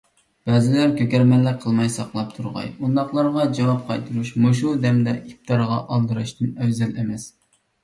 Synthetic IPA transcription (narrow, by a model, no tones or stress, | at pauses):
b̥ɛːzɪlæɾkʲʰøkʲɛɾmɛnlæqʰːəlˠmɑjsɑqlˠɑp̚t̪ʰuɾʁɑ̰jund̪ɑχlˠɑɾʁɑd͡ʒɑwɑp̚qʰɑjt̪ʰɨɾuʃmuʃ̬ud̪ɛmd̪ɛʔip̚t̪ʰɑɾʁɑ̰ʔɑlˠd̪ɨɾɨʃt̪ɨnɛwzɛlɛmɛs